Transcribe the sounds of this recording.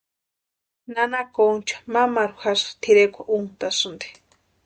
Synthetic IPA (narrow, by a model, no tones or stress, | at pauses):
nanakont͡ʃḁmamaɾuxasḁt̪ʰiɾekʷʰaʔunt̪asɨnd̪e̥